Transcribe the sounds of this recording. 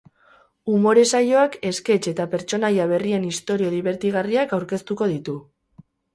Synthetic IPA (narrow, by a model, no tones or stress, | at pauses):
umo̞ɾe̞sajo̞ake̞ske̞t͡ʃe̞t̪ape̞ɾt͡ʃo̞najaβ̞e̞rie̞nist̪o̞ɾio̞ðiβ̞e̞ɾt̪iɣariakawɾke̞st̪uko̞ð̞it̪u